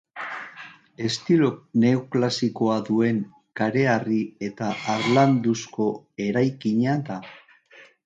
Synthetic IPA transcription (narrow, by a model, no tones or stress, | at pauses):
e̞st̪iɾone̞oklasiko̞aðue̞ŋ | kaɾe̞arie̞t̪aʔːɾland̪usko̞e̞ɾajkiɲaða